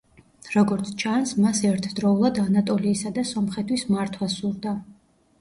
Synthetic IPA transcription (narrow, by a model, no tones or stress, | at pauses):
ɾɔɡɔɾt̪sʰt͡ʃʰansmasɛɾt̪ʰd̪ɾɔulˠad̪anat̪ʼɔliːsad̪asɔmχɛt̪ʰwismaɾt̪ʰwasuɾd̪a